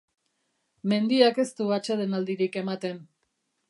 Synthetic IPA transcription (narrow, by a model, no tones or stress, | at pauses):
me̞nd̪iake̞st̪uat͡ʃeðe̞nald̪iɾike̞mat̪e̞n